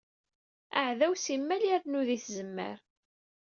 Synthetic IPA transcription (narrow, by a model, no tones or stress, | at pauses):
aʕðæwsimːæliɾnuðiθzəmːə̰ɾ